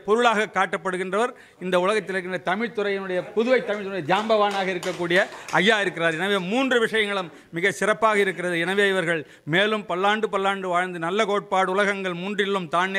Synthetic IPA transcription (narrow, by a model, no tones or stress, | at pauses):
pɔɾʊɭaːɣɐkːaːʈːɐpːɐɽɯɣɪndrɐʋɐɾ | ɪnd̪ɐʊlɐɣɐt̪ːɪlɛkːɪndrɐt̪ɐmɪɻt̪ɯɾɐjɛnɯɽɐjɐpʊðʊʋɐɪt̪ːɐmɪɻt̪ɯnɽɐjɐd̪jaːmbɐʋaːnaːɣɐɪɾɯkːɐkːuːɽɪjɐɐjːaːɪɾɯk̬ːɪraːɾɛnɐʋeːmuːndrɯʋɪʂɐjɐŋɡɐɭɯmːɪɣɐsɪrɐpːaːɣɐɪɾɯk̬ːɪrɐðɯɛnɐʋeːɪʋɐɾɣɐɭ | meːlɯmpɐlːaːɳɖɯpɐlːaːɳɖɯʋaːɻnd̪ɯnɐlːɐkoːʈ̚paːɽɯʊlɐɣɐŋɡɐɭmuːndrɪɭːɯmt̪aːɳː